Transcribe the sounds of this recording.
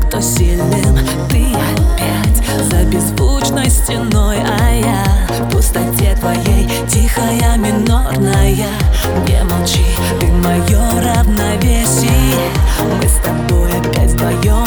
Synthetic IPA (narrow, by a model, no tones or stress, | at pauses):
kt̪osʲilʲnɨm | t̪ɨ | pʲætʲ | zɐbʲɪzvut͡ʃnəjsʲtʲɪnojɐja | pʊst̪ɐtʲet̪vɐjej | tʲixɐjɐmʲɪnornɐjɐ | nʲḛmat͡ʃi | t̪ɨmɐjorɐvnɐvʲesʲɪjɛ | mɨst̪ɐbojɐpʲːatʲt̪vɐjo